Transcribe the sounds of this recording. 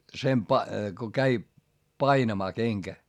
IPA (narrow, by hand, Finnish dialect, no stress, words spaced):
sem pɑ ko kæi pɑinɑmɑː keŋkæ